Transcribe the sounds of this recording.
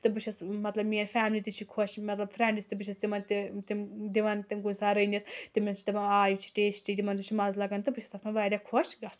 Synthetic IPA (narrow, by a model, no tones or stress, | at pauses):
t̪ɨbɨʃʰɐsmɐt̪lɐbmiɐnfæːmlit̪ɨt͡ʃʰikʰoʃmɐt̪lɐbfɾɛɳɖist̪ɨbɨt͡ʃʰɐst̪imɐnt̪it̪imd̪iʋɐnt̪imɡunsaːɾɐjnit̪ʰt̪imit͡ʃʰi̥t̪ɐmɐaːjut͡ʃʰi̥ʈeːsʈid̪ʲimɐnd̪ut͡ʃʰimɐzlɐɡɐnt̪ɨbɨt͡ʃʰɐ̥st̪ɐfmɐnʋaːɾʲakʰoʃɡɐs